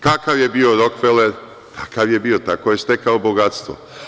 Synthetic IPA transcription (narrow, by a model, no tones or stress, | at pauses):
kakaʋje̞bio̞ɾokfeleɾ | t̪ʰḁkaʋje̞biːo̞t̪akoje̞st̪ekaobo̞ɡat̪st̪ʋo̰